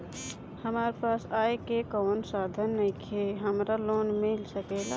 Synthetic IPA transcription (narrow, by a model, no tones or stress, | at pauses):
həmaɾpasajkekənsad̪ʱənːəjkʰeɦəmɾalonmilsəkɛla